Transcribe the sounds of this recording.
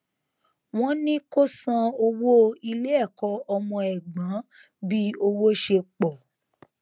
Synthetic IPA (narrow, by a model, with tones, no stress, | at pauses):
w̃ɔ̃˦nĩ˦ko˦sã˧o˧wo˦i˧le˦ɛ˦˨kɔ˧˦ɔ˧mɔ̃˧ɛ˨ɡ͡bã˨˦ | bi˦o˧wo˦ʃe˧k͡pɔ˨